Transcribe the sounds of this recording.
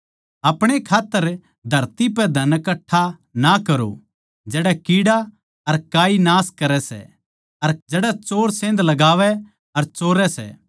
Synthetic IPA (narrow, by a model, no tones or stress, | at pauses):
ɐpɽ̃ekʰaːt̪ːəɾ | d̪ʱɐɾt̪ipɛd̪ʱɐnkɐʈʰːa | nakɐɾo̰ | d͡ʒɛːɽɛkiːɽa | ɐɾkaːinaːskɐɾɛsɛ̰ | ɐɾd͡ʒɛːɽat͡ʃoːɾsẽːnd̪lɐɡaːʋɛ | ɐɾt͡ʃoːɾɛsɛ̰ː